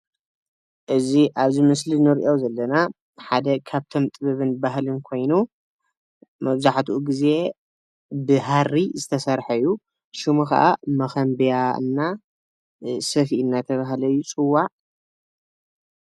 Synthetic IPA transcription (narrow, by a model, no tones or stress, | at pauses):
ʔɨziʔaβzimɨslinɨɾiʔo̞zɐlːɐna | ħad̪ɐkʰaβt̪ʰo̞mt̪ʼɨβɐβɨnbaɦlɨnkʰo̞jnu | mɐβzaħt̪ʰuʔuɡize̞ | bɨɦaɾːizɨt̪ʰɐsɐɾħɐjːu | ʃumuxa̰ʔamɐxɐmbjaɨ̰nːa | sɐfiɨnːat̪ʰɐβaɦlɐjːut͡sʼɨwːaʔ